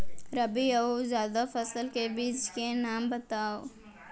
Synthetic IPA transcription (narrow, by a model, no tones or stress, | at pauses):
ɾɐbiɐozjaːd̪afɐsəlkebiːd͡ʒkenaːmbɐt̪aːo